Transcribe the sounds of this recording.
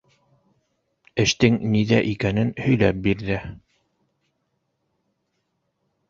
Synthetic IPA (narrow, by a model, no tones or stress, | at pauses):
ɘ̆ʃt̪ɘŋniðæʔikænɘnhɵ̆jlæp̚biɾðɘ